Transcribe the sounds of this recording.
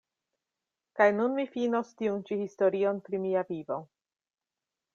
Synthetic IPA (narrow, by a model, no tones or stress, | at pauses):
kajnunmifino̞stiunt͡ʃihisto̞ɾio̞npɾimiavivo̞